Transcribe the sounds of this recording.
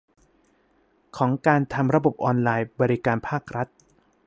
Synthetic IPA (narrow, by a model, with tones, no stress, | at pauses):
kʰɔː˩˦ŋkaː˧nt̪ʰa˧mɾa˧bo˨˩p̚ʔɔː˧nlaː˧jbɔː˧ɾi˦kaː˧npʰaː˥˩k̚ɾʔa˦˥t̪̚